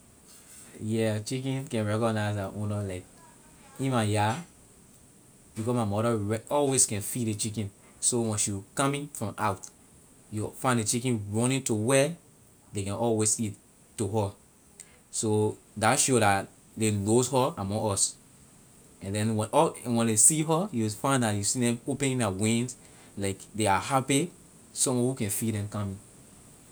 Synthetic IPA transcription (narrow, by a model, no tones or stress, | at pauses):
jɛt͡ʃikĩnkɛ̃nɹɛkɔnaɪsdaʔɔ̃nɔlaɪk̚ | ĩnmaja | bikɔsmaɪmɔɾəɹɛɔlweskɛ̃nfidet͡ʃikĩn | sowɛ̃nsjukãmĩŋfɹɔ̃mʔaʊt | jufãɪ̃ndet͡ʃikĩnɹɔ̃nĩntuwɛ | dekɛ̃nɔlwesit | tːuɦə | so | daʃoɾat | deloshɔamɔ̃ŋɔs | ɛ̃ndɛ̃nwɛɔ̃wɛ̃nlesiɦəjufãɪ̃ndatjusidɛ̃mopɛ̃nĩnawĩns | laɪkdeahapi | sɔ̃mɔ̃nhukɛ̃nfidɛ̃mkãmĩŋ